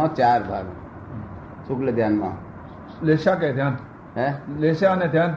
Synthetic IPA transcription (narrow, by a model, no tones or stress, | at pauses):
ɔ̃t͡ʃaːɾbʱa̰ːɡ | sʊkled̪ʱjaːnmã̰ | leʃak̬et̪jaːn | ɦɛleʃaned̪ʱjaːn